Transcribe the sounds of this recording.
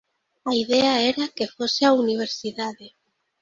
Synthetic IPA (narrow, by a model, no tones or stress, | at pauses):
aiðɛaɛɾakefoseauniβ̞eɾsiðaðe